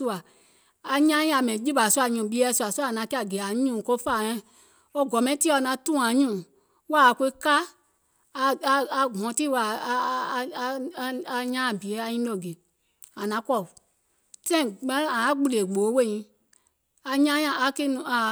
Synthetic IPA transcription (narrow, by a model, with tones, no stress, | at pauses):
u˧a˨ | a˧ɲã˦jĩ˦a˧˨mɛ̃˨d͡ʒi˦ba˨su˦a˨ɲũ˨ɓi˧˦ɛ˧˦su˧a˨su˦˨nã˧ki˦a˨ɡe˨a˨ɲũː˦˨ko˦fa˦˨ɛ̃˦ | o˦ɡɔ˨mɛ̃˦ti˦ɔ˨˧nã˧˦tũː˦˨ã˨˦ɲũː˦˨ | wa˦˨ke˧˦ka˦ | a˧a˧ɦɔ̃˨˦ti˦wa˨˧˨a˧ɲãː˦˨bi˨e˨˦a˧ɲĩ˦lo˧˨ɡe˨ | ã˨nã˧˦kɔ˦˨ | tɛ̃˦ĩ˨ɛ̃˦ã˨a˨˦ɡ͡bu˧le˨ɡ͡bo˨˦we˦˨ɲĩ˧˦ | a˧ɲã˦ã˨a˧ke˦nũ˨a˨